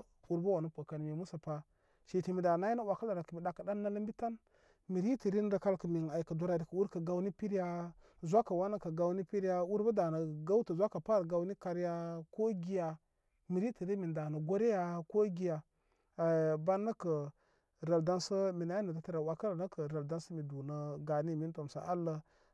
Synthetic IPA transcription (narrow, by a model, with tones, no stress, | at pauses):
u˦ɾba˦wa˨nu˦pa˨ka˨n˨mi˨mu˦sa˨pa˨ | ʃi˨ti˨mi˨da˨na˦ji˦na˦wa˨ka˦la˨na˨kə˨mi˨da˨kə˨da˦nːa˦lə˦mbi˦ta˦n | mi˨ɾi˦ti˨ɾi˦n˦də˨ka˦lkə˨mi˨na˨i˨kə˨du˨˦ɾa˨di˨kə˨u˦ɾkə˨ɡa˦wni˦pi˦ɾja˦ | zʷa˦ka˨wa˦na˦kə˨ɡa˨wni˦pi˦ɾja˦u˦ɾba˦da˨na˨ɡa˦wtə˨zʷa˦ka˨pa˦˨ɾɡa˦wni˦ka˦ɾja˦ko˦ɡi˦ja˨ | mi˨ɾi˦ti˨ɾi˦mi˨nda˨nə˨ɡo˦ɾe˦ja˦ko˦ɡi˨ja˨ | ba˦nːə˦kə˨ | ɾa˨lda˦nsə˦mi˨na˨˦i˦nə˨da˨ta˦˨ɾa˨wa˨ka˦la˨nə˦kə˨ɾa˨lda˦nsə˦mi˨du˨nə˨ɡa˨ni˦mi˦n˦to˨m˨sa̰˨ʔa˦lːə˦